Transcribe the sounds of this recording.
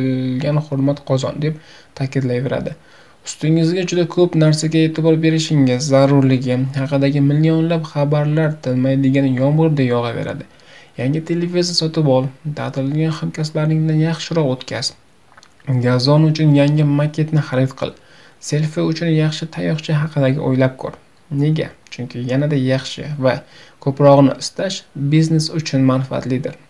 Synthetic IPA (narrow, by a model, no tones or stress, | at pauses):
ɡʲanχʊɾmat̪qʰɒzɒ̰nd̪e̞p̚ | t̪ʰakʲɪd̪lajve̞ɾa̰d̪ɪ | ʊ̥st̪ɪŋɪzɡʲad͡ʒʊd̪akʰɵpnaɾsaɡʲae̞t̪ʰɪbɒɾbe̞ɾɪʃɪŋɪzːaɾʊɾlɪɡʲɪhɑqɨd̪aɡʲɪmɪlijɒnlapχabaɾlaɾt̪ʰɪlmajd̪ɪɡʲanjɒmʁɨɾd̪ajɒʁɑve̞̰ɾa̰d̪ɪ | jaŋɡʲɪt̪ʰe̞levizasɒt̪ʰɪpɒlˠt̪ʰa̰t̪ʰɪlɪɡʲanχamkʲʰaslaɾnɪŋd̪anjɑχʃɪɾɒqot̪kʲʰaz̥ | ɡazɒnʊt͡ʃʰʊnjaŋʲɪmakʲʰe̞t̪nɪχaɾɪt̪qʰɨ̰lˠ | se̞lfɪʊt͡ʃʰʊnjɑχʃɪt̪ʰajɒχt͡ʃʰɪɦɑqʰɨd̪aɡʲɪ̰ʔo̰jlap̚kʰɵ̰ɾ | ne̞ɡʲa̰t͡ʃʰʊŋkʲʰɪjanad̪ajɑχʃɪ̰vakʰɵpɾɒʁɨnɪ̰ʔɪst̪aʃbizne̞sʊt͡ʃʰʊnmanfɪa̰t̪lɪd̪ɪɾ